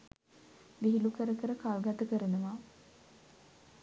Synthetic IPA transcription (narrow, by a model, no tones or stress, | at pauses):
ʋiɦilukəɾəkəɾəkalɡat̪əkəɾənəʋa